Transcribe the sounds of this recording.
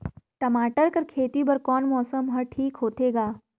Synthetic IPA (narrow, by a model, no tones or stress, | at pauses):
ʈɐmaːʈəɾkɐɾkʰeːt̪ibɐɾkɔːnmɔːsəmɦɐʈʰiːkɦoːt̪eːɡaː